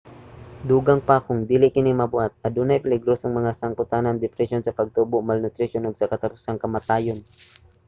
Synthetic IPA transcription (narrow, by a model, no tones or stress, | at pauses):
d̪uːɡɐŋpakʊŋd̪iːlɪkɪnimɐbʊat̪̚ɐd̪uːnɐjpɪlɪɡɾosoŋmɐŋasɐŋkʊt̪anɐŋd̪ɪpɾɛsjo̞nsɐpɐɡ̚t̪uːbʊʔmɐlnʊt̪ɾɪʃjonoɡsɐkɐt̪ɐpʊsaŋkɐmɐt̪aːjon